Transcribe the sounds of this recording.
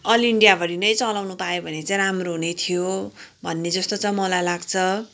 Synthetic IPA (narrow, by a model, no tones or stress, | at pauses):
ʌliɳɖijabʱʌɾinʌjt͡sʌlawnupajobʱʌnet͡saj̃ɾamroɦunet̪ʰijobʱʌnːed͡zʌst̪ot͡sʌ̃j̃mʌlajlaɡt͡sʰʌ